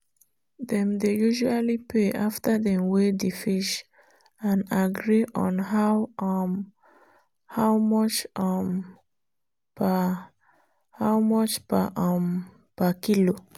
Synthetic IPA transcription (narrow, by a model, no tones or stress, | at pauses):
ðɛ̃mdejuʒualipʰeʔaftəðɛ̃mwedifiʃ | ãnaɡɹiʔɔ̃nɦaw | hawmɔt͡ʃm | pa | hawmɔt͡ʃpaʔm | pakilo